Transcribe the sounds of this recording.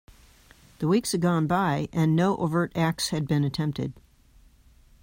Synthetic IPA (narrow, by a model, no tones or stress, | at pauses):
ðəwikshɨd̚ɡɑ̃nbaɪʔɨ̃nːoʊʔovɜ˞ɾæk̚shɨd̚bɨ̃nɨtʰɛ̃mp̚tɪ̰d̥̚